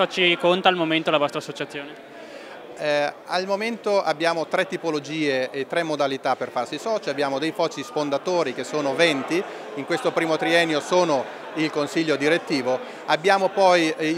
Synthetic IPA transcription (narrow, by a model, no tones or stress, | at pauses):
ɔt͡ʃːikont̪aːlmoment̪olavɔst̪ɾasːot͡ʃat̪sːjoːne | almoment̪oʔabːjaːmot̪ɾɛt̪ːipolod͡ʒiːeet̪ːɾɛmːod̪alit̪apːerfarsisɔːt͡ʃiabjaːmod̪ejfɔt͡ʃːisfond̪at̪oːɾik̟esːoːnovɛnt̪i | iŋkwest̪opɾiːmot̪ɾiɛnːjosoːno | ilkonsiʎːod̪iɾet̪ːiːvo | abːjaːmopɔj